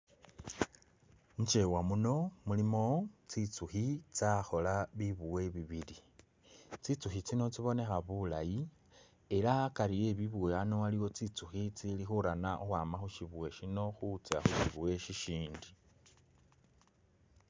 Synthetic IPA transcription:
ɲt͡ʃe̞wamuno̞mulimo̞t͡sit͡suxit͡saxo̞laβiβuwe̞βiβili | t͡sit͡suxit͡sino̞t͡siβo̞ne̞xaβula̰ji | e̞lakalije̞βiβueanowaliwo̞t͡sit͡suxit͡silixuɾanaʔoxwaːmaxuʃiβuwe̞ʃino̞xut͡sa̰xuʃiβuwe̞ʃiʃiːndi

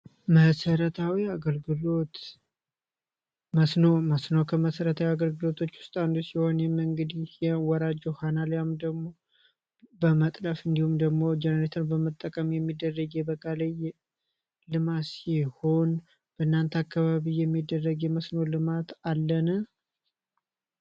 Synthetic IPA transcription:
məsəɾət̪ʰawiaɡəlɡɨlo̞t̪ | məsnoməsnokʰəməsəɾət̪ʰawiaɡəlɡɨlo̞t̪ʰo̞t͡ʃːwʊ̥st̪ʼand̪usiho̞njɛməŋɡəd̪ijɛwɔɾad͡ʒɛhanaljamd̪əɡmo̞ | bəmət̪ʼləfɨnd̪ihumd̪əɡmo̞d͡ʒɛnəɾet̪ʰənbəmət̪ʼːəkʼəmjɛmːid̪ːərːəɡjɛbəkʼaləj | lɨmasiho̞n | b̥əɨnːant̪ʰakːaβaβijːɛmːid̪ːərːəɡjɛməsno̞lɨmat̪alːənə

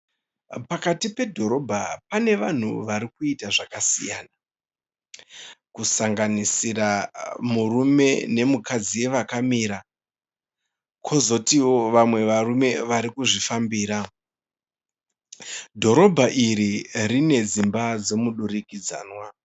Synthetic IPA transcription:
pakatipe̞dʱo̞ɾo̞bʱapane̞ʋan̤uʋaɾikuitaʐakasijaːna | kusaŋɡanisiramurume̞ne̞mukad͡zije̞ʋakamiːɾa | kʰo̞zo̞tiwo̞ʋamwe̞ʋarume̞ʋaɾikuʐifambiːɾa | dʱo̞ɾo̞bʱaʔiɾirine̞d͡zimbad͡zo̞muɗurikid͡za̰ːnwa

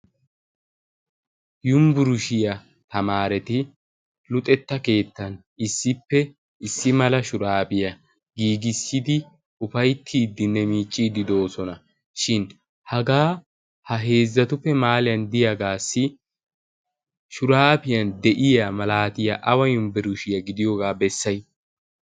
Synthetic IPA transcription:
jʊmbʊɾʊʃɪjɐ | t̪ɐmaːɾɛt̪ɪ | lʊt̪ʼɛt̪ːɐke̞ːt̪ːɐn | ɪsːɪpːɛ | ɪsːɪmɐlɐʃʊɾaːpɪjɐ | ɡiːɡɪsːɪd̪ɪ | ʊfɐjt̪ʰːiːd̪ːɪnːɛmiːt͡ʃʼːiːd̪ɪd̪o̞ːsɔnɐ | ʃɪn | hɐɡaː | hɐɦe̞ːzːɐt̪ʊfːɛmaːlɪjɐnd̪ɪjaɡaːsːɪ | ʃʊɾaːpɪjɐnd̪ɛʔɪjɐmɐlaːt̪ɪjɐʔɐwɐjʊnbɛɾʊʃɪjɐɡɪd̪ɪjoɡaːbɛsːɐj

